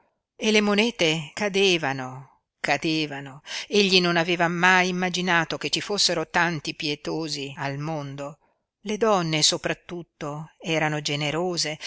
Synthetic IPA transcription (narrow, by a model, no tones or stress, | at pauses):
elemonɛːt̪ekad̪eːvano | kad̪eːvanoeʎːinonaveːvamajimːad͡ʒinaːt̪oket͡ʃːifosːeɾot̪ant̪ipjet̪oːzialmond̪o | led̪ɔnːesopɾat̪ːut̪ːoɛːɾanod͡ʒeneɾoːze